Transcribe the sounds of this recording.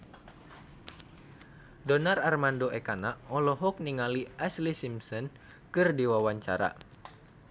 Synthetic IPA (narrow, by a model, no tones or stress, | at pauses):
dɔnararmandoʔɛkanaɔlɔɦɔk̚niŋaliʔɛslisimsɔn | kɨrdiwawaɲt͡ʃa̰ɾa̰